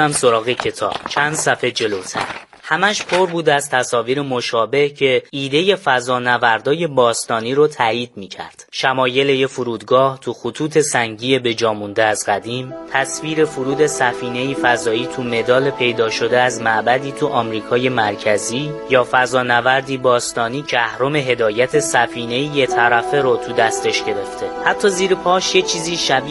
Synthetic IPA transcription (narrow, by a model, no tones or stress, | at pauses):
æmso̞ɾɒːɣecʰe̞t̪ʰɒ̰ːb̥t͡ʃʰænd̪̥sæfe̞d͡ʒe̞lot̪ʰæ̰ɾ | hæmæʃpʰoɾbuːd̪æzt̪ʰæsɒːviːɾemoʃɒːbe̞hcʰe̞iːd̪e̞je̞fæzɒːnævæɾd̪ɒːje̞bɒːst̪ɒːniːɾot̪ʰæiːd̪̥̚miːcʰæ̰ɾd̪̥ʃæmɒːje̞le̞jefuɾuːd̪ɡɒːht̪ʰuxut̪ʰuːt̪ʰe̞sæŋɟiːebe̞d͡ʒɒːmund̪eæzɢæd̪iːmt̪ʰæsviːɾe̞fuɾuːd̪e̞sæfiːne̞jiːfæzɒːiːt̪ʰume̞d̪ɒːle̞pʰe̞jd̪ɒːʃo̞d̪eæzmæʔbæd̪iːt̪ʰuʔɒːmɾiːkʰɒːje̞mæɾcʰæziːjɒːfæzɒːnævæɾd̪iːbɒːst̪ɒːniːcʰeæhɾo̞me̞ɦe̞d̪ɒːjæt̪ʰe̞sæfiːne̞jijet̪ʰæɾæfe̞ɾot̪ʰud̪æst̪ʰe̞ʃɟe̞ɾe̞ft̪ʰe̞hæt̪ʰːɒːziːɾepʰɒːʃjet͡ʃʰiːziːʃæbi